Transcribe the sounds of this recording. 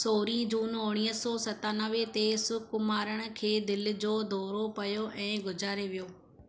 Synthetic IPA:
soːɾĩd͡ʑuːnʊɽ̃iːəsɔːsɐt̪aːnəʋet̪esʊkmaːɾəɽ̃ʊ̆kʰeːd̪ɪl̆d͡ʑoːd̪ʱɔːɾopɐjoʔɛ̃ːɡʊd͡ʑaːɾeʋijoː

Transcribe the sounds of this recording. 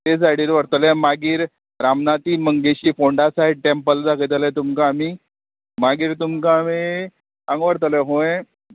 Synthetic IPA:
t̪ed͡zaɽiːɾʋəɾt̪əlɛ̃maɡiːɾ | ɾamnat̪iːməŋɡeɕiːfoɳɖasaeʈempəld͡zakəjt̪əlet̪umkaːmi | maɡiːɾt̪umkame | ãŋɡʋəɾt̪əleɦõẽ

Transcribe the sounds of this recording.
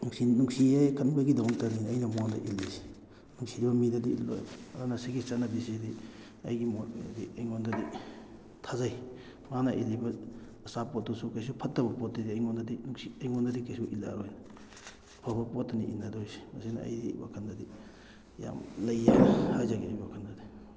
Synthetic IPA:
nuŋsinuŋsiekɐnbaɡidamɔŋtaninːjnɐmuaŋdɐ̰ʔilːise̥ | nuŋsiɾibɐmidɐdiḭlo̰j̰bɐdanasiɡisanabisidi | ɐ̰jɡimotija̰diɐjŋondɐdi | tʰazaj | manɐʔilːibɐː | sapɔt̚ːusukajsupʰɐtːɐbɐpɔt̚ːidiɐjŋondɐdinuŋsiɐjŋondɐdikajsuʔila̰ɾojna | pʰabɐpot̚ːɐniinːadojse̥mɐsinɐɐ̰jdiwa̰kʰandadi | ja̰mlɐjːahajzaɡia̰jbiwakʰandadi

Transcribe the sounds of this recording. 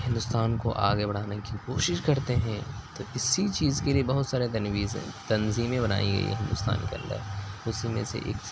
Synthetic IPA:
hɪ̃nd̪ʊst̪aːnkoʔa̰ːɡebɐɽ̤aːnekikoːʃɪʃkɐɾt̪eɦɛ̃t̪oɪsit͡ʃiːzkeliebɐɦʊt̪saːɾet̪ɐnwiːzɛ̰̃t̪ɐnziːmẽbɐna̰ːḭ̃ɡɐ̰ḭḛɦɪ̃nd̪ʊst̪a̰ːnkeɐ̰̃nd̪ə̰ɾʊsimẽsḛʔḛːk

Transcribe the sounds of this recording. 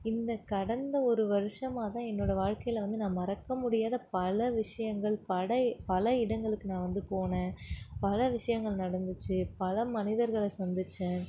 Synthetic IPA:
ɪnd̪ɐkɐɽɐnd̪ɐɔɾɯʋɐɾɯʂɐmaːt̪ãːɛnːoːɽɐʋaːɻkɐjɪlɐʋɐnd̪ɯnãːmɐɾɐkːɐmʊɽɪjaːðɐpɐlɐʋɪʂɐjɐŋɡɐɭpɐɽɐpɐlɐɪɽɐŋɡɐɭɯkːɯnãːʋɐnd̪ɯpoːnẽːpɐlɐʋɪʂɐjɐŋɡɐɭnɐɽɐnd̪ɯt͡ʃːɯpɐlɐmɐnɪðɐɾɣɐɭɐsɐnd̪ɯt͡ʃːɯ̃

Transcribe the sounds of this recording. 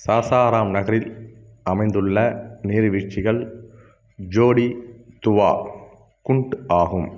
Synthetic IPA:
saːsaːɾaːmnɐɣɐɾɪl | ʔɐmɐɪnd̪ɯɭːɐniːɾʋɪt͡ʃːɪɣɐɭ | d͡ʒoːɽit̪ʊʋa̰ː | kʊɳʈaːɣɯm

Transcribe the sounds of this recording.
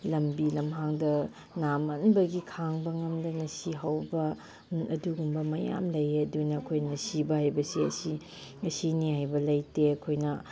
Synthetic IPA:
lɐmbilɐmɦaŋdɐ | namɐnbɐɡikʰaŋbɐŋɐmdɐnɐsiɦawbɐ | ɐduɡumbɐmɐja̰mlɐjeɐdunɐːkʰojnɐsibɐhajbɐsiɐ̰si | ɐsinihajbɐlɐjteɐkʰojnɐ

